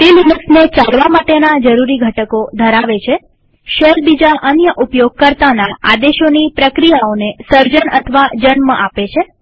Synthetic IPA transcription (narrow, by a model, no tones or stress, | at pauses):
t̪elinuksnet͡ʃalʋamaʈenad͡ʒəɾuɾiɡʱəʈəkod̪ʱəɾaʋet͡ʃʰe | ʃelbid͡ʒaʔənjəʔupjoɡ̚kəɾt̪anaa̰d̪eʃonipɾəkɾijaonesəɾd͡ʒənə̰t̪ʰəʋad͡ʒənməʔapet͡ʃʰe